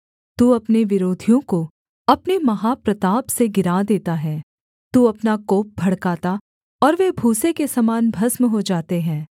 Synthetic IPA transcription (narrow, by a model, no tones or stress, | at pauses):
t̪uːɐpneʋɪɾoːd̪ʱijõko | ɐpnemɐɦapɾɐt̪aːbseɡɪɾaːd̪eːt̪aɦɛː | t̪uɐpnakoːp̚bʱɐɽkaːt̪a | ɔːɾʋebʱuːsekesɐmaːnbʱɐsmɦod͡ʒaːt̪eɦɛ̃ː